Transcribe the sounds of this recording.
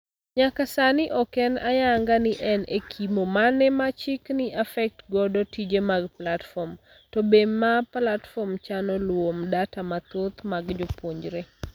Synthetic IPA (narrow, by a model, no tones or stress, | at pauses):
ɲakasanɪʔɔkɛna̰jaŋɡanɪʔɛnekʰimomanɛmat͡ʃɪknɪʔafɛk̚tɡɔdɔtid͡ʒemaɡplatfɔm | tɔbemaplatfɔmt͡ʃanɔlwomdatamat̪ot̪maɡd͡ʒopwoɲd͡ʒɾe